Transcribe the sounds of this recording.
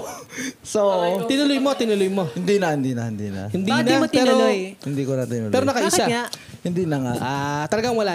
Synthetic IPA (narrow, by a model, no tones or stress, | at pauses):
sooʔt̪ɪnʊlojmo̞t̪ɪnʊlojmo̞hɪnd̪inɐhɪnd̪inɐhɪnd̪ḭnɐ̰hɪnd̪nɐpɛːɾolojɪnd̪iːkonɐt̪ɪnʊ̰lɛːɾonɐkɐʔiːsa | hɪnd̪inɐŋa̰ʔat̪ɐlɐɡaŋwɐla